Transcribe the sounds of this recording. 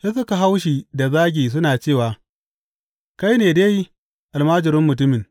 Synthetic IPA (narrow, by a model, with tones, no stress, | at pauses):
ja˦s̬ɐ˦ka˨ɦa˦wʃi˨da˨zaː˦ɡʲiː˨s̬ʊ˦naː˨t͡ʃeː˦˨waː˨ | ka˦jneː˨deː˦ji˦ | ʔa˨lmaː˦d͡ʒɪ˨ɾɪ˦mːʊ˨t̬ʊ˦mɪ˨ŋ